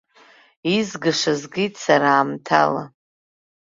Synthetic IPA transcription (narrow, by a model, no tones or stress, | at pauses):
izɡɨʂazɡijtʼsaɾaːmtʰa̰la̰